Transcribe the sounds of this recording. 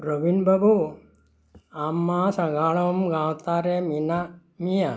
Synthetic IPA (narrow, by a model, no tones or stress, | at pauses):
ɾoʋinbɐbu | amːasɐɡaːɭɐmɡaːwt̪aːɾemina | mija